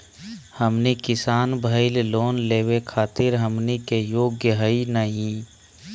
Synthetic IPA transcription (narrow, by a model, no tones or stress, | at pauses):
həmnekɪsaːnbʱəɪlloːnleːwekʰaːt̪ɪɾɦəmnikejoːɡjəɦəinəɦĩ